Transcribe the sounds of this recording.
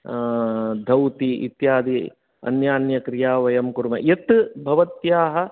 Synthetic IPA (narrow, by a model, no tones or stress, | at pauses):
d̪ʱɐwt̪iʔḭt̪jaːd̪i | ɐ̰njaːnjɐkɾijaːʋɐjɐmkuɾmɐjet̪bʱɐʋɐt̪jaːɦɐ